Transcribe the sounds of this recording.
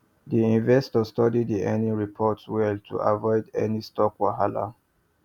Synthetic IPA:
diĩnvɛstɔstɔdidðiʔɛnĩɹipʰɔtswɛltʰṵʔa̰vɔɪdɛ̰nistɔkwaɦala̰

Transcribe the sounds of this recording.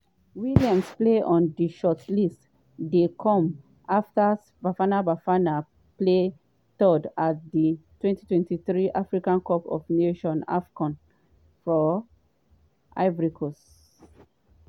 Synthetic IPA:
wiliãmspleʔɔ̃ndiʃɔtlist | dekʰɔ̃m | ʔaftas | bafanabafana | ple | tɔdat̚ditwɛ̃ntitwɛ̃ntiθɹiʔafɹikãnkɔpɔ̰vneʃɔ̃na̰fkɔ̃n | fɔ | ʔa̰ɪvɹikʰɔs

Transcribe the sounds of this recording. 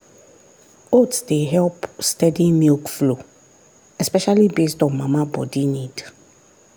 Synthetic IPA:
otsdeɦɛlpstɛdimilkflo | ɛspɛʃalibestɔ̃nmãmãbɔ̰dinid

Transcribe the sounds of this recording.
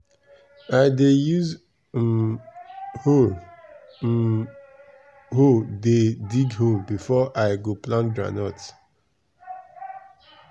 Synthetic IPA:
aɪdejuz | hol | hodediɡhobifɔʔaɪɡoplãndɹa̰nɔt

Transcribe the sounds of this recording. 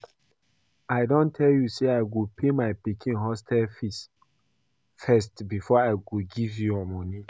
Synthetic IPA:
aɪdõntʰɛljuseaɪɡopʰemaɪpikʰĩnɦɔstʰalfis | fɛstbifɔaɪɡoɡivjuɔmɔ̃ni

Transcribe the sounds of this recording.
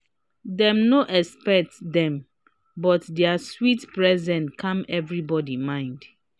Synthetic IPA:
dɛ̃mnoʔɛspɛk̚tdɛ̃m | bɔtdɛaswitpɹɛzɛ̃nkʰãmɛvɹibɔdimãɪ̃nd

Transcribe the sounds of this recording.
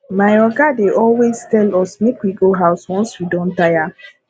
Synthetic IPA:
majɔɡadeʔɔlwestɛlɔsmekwiɡoɦaʊswɔ̃nswidɔ̃ntaja

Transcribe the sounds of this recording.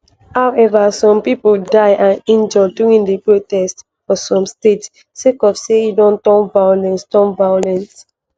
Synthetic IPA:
hawʔɛvasɔ̃mpipoldaɪʔãnĩnd͡ʒɔduĩndəpɹotɛst | fɔsɔ̃mstet | sekɔfsejidɔ̃ntɔ̃nvajlɛ̃nstɔ̃nvaolɛ̃ns

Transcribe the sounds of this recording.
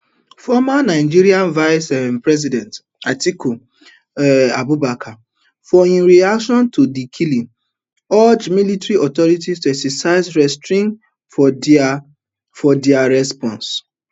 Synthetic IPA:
fɔmanaɪd͡ʒiɾiãnvaɪsɛmpɹɛz̬idɛ̃nt | atiko | ɛabubakʰa | fɔĩnɾiakʃɔ̃ntʰodikʰilĩn | ɔd͡ʒmilitɾiɔtɔɾitistuɛksɛsaɪzɹɛstɹĩŋ | fɔd | fɔdiaɾɛspɔ̃ns

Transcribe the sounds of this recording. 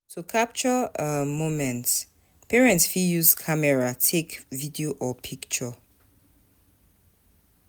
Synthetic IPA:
sokʰap̚t͡ʃɔmomɛ̃nts | pʰɛɹɛ̃ntsfijuzkʰamɛɹatʰekvidioʔɔpʰikt͡ʃɔ

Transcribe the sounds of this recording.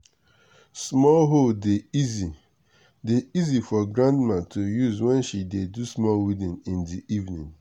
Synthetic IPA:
smɔlɦodeizi | deizifɔɡɾãndmãtʰojuzwɛ̃nʃidedusmɔlwidĩnĩndiʔivnĩn

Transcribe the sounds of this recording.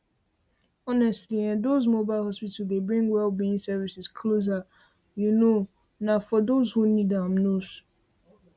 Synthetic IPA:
ɔnɛstliɛ̃dozmobaɪlhɔspitdebɹĩŋɡwɛlˠbiĩŋsɛvisiskʰloz̬a | juno | nafɔdozhunidãmnos

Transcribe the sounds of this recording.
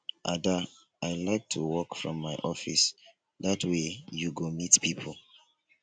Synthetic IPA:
ʔa̰da | aɪlaɪk̚tʰuwɔkfɹɔ̰̃mːaɪʔɔfis | ðatʰwejuɡomitpʰipʰol

